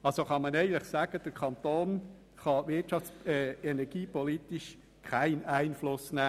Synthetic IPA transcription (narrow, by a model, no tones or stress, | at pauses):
ɑlsoχɑmɑnɛɪɡənləχsæːɡ̥əd̥əɾkʰɑnt̪oːn | χɑʋɪtʃɑft͡sɛːɛnɛɡ̥iːpɔlit̪iʃ | kʰaɪnæɪnflʊsnæː